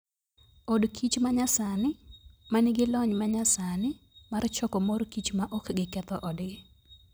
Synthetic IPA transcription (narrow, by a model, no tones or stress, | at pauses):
ɔdkʰit͡ʃmaɲasanɪmanɪɡɪlɔɲmaɲasanɪ | mart͡ʃɔkɔmoɾkit͡ʃmaʔɔkɡɪkɛt̪ɔʔɔdɡɪ